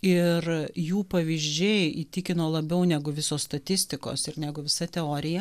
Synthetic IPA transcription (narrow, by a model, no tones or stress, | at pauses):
ɪrjuːpɐʋʲiʒʲd͡ʒʲɛɪiːt̪ʲɪkʲɪnoːlˠɐbʲɛʊnʲæːɡʊʋʲɪsoːsst̪ɐt̪ʲɪsʲt̪ʲɪko̰ːsɪɾnʲæːɡʊʋʲɪsɐt̪ʲɛoːɾʲɪjɛ